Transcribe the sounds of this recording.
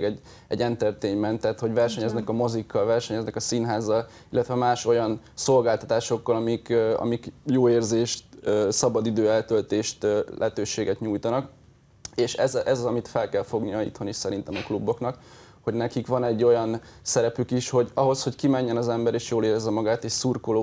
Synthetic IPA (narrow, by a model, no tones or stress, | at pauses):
ɡɛɟ | ɛ̰ɟːɛnt̪ɛrt̪eːɲmɛnt̪ɛt̪ho̞ɟvɛrʃɛɲɛznɛkɒmo̞zikːɒlvɛrʃɛɲɛznɛkɒsinɦaːzːɒl | ilːɛt̪ʋɛmaːʃo̞jɒnso̞lɡaːlt̪ɒ̥t̪aːʃo̞kːɒlɒmikɒ̰mikjoːeːrzeːʃt̪øsɒbɒd̪id̪øːɛlt̪ølt̪eːʃt̪ːlɛ̰ɦɛt̪øːʃeːɡɛt̪ɲuːjt̪ɒnɒk | eːʃɛzʔɛzɒzɒmit̪fɛlkɛlfo̞ɡnijɒḭt̪ho̞niʃsɛɾin̪t̪ɛmɒklubːo̞knɒk | ho̞ɟnɛkikʋɒnɛɟːo̞jɒnsɛɾɛpykiʃho̞ɟɒɦo̞sho̞ckimɛɲːɛnɒzɛmbɛɾeːʃjoːleːɾɛzːɛmɒɡaːt̪eːʃsurkoloː